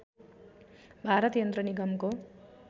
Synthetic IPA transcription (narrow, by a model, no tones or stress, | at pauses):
bʱaɾʌt̪jʌnd̪rʌniɡʌmko